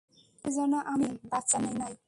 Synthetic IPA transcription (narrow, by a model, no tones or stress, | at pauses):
ed͡zʌnaʔamibat̪t͡sanenaj